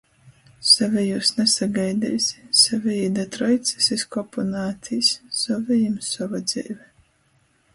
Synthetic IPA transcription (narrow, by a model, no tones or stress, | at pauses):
savʲɛjuːsnɛsaɡajd̪ɛ̰jsʲi̥savʲɛid̪at̪ɾɔjt̪si̥siskɔpɔnaːt̪ʲʰisʲsɔvʲɛjimsɔvad̪z̥ʲɛ̰ːvʲɛ